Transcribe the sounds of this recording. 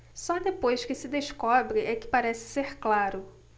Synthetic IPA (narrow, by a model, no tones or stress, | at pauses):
sɔd̪epojskɪsɪd̪eʃkɔbɾɪʔɛkɪ̥paɾɛsɪ̥seɾklaɾʊ